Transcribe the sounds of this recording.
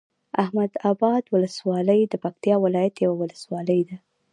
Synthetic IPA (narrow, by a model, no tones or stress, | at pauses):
ʔahmad̪abɑd̪wʊləswɑləjd̪əpak̚t̪jɑwɪlɑjat̪jawawʊləswɑləjd̪a